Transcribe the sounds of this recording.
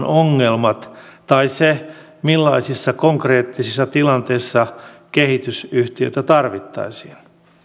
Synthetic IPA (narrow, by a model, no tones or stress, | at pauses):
noŋːelmɑt̪tɑise | milːɑisisːɑkoŋkreːt̪ːisisːɑt̪ilɑnt̪eisːɑkehit̪ysyht̪iø̰it̪æt̪ɑrʋit̪ːɑ̰isiːn